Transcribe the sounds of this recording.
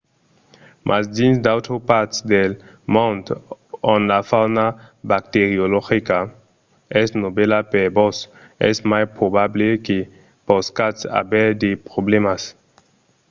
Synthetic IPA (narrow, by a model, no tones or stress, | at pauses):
mʔasd̪ĩnsd̪awt̪ɾopaɾt̪d̪el | mõnd̪onlafawnabak̚t̪eɾioloxika | ɛsnobelapeɾbos | ɛ̰smajpɾobableke | poskat̪a̰bɛɾd̪epɾoblemas